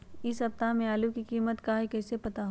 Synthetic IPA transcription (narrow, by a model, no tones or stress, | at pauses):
ɪsɐp̚t̪amẽaːlukikiːmət̪kaːɦekɛːsepɐt̪aɦ